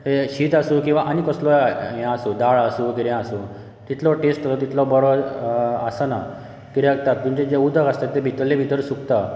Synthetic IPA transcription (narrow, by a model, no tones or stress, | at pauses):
ɦeɕiːt̪asukĩw̃ʋaʔanikɔslɔjjãasuːd̪aɭasuːkiɾjãsu | t̪it̪ʰlɔʈesʈəsɔt̪it̪lɔbəɾɔasəna | kiɾjak̚t̪at̪ːumt͡ɕẽd͡ʑeud̪ʱəkast̪at̪ːẽbʱit̪əlːẽbʱit̪əɾsukt̪a